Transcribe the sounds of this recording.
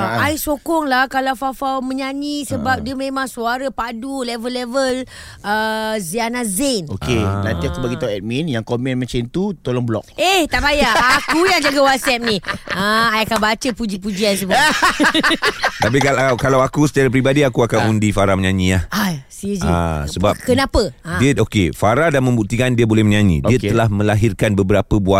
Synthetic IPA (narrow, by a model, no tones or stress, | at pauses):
ajsokɔŋlahkalawfafawmə̃ɲaɲĩsəbap̚diəmẽmãŋsuaɾapadulɛvəlːɛvəl | əzianazenokenãnt̪iakubaɡit̪aɛt̪̚minjaŋkomɛ̃nmãt͡ʃant̪ut̪olɔŋblɔ̰k̚eht̪aʔpajaakujaŋd͡ʒaɡawat̪̚sɛp̚niəajakabat͡ʃəpud͡ʒipud͡ʒians̬əbu | t̪apikakalawakusət̪aɾapɾibadiakuakanundifaɾaməɲaɲiaasid͡ʒia̰səbap̚kənapədiəokefaɾadanmə̃mbuk̚t̪ikandiəbolɛhməɲãɲḭ̃diət̪əlahmə̃laɦirkanbəbəɾapəbua